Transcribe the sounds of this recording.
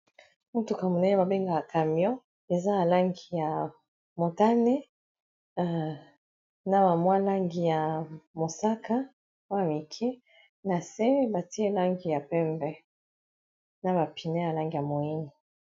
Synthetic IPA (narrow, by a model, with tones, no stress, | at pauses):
mu˦tu˨ka˨mu˨na˦je˦ba˨be˦ŋɡa˨ja˨ka˨mjɔ̃˦ | e˨za˦ja˨la˦ŋɡi˨ja˨ | mo˨ta˦ne˦˨ | na˨ba˨mwa˦la˦ŋɡi˨ja˨mo˨sa˦ka˦ | o˦ja˨mi˨kʰe˦ | na˨se˦ba˨ti˦e˦la˦ŋɡi˨ja˨pɛ˦mbɛ˦ | na˨ba˨pi˨ne˦ja˨la˦ŋɡi˨ja˨mo˨i˦ni˨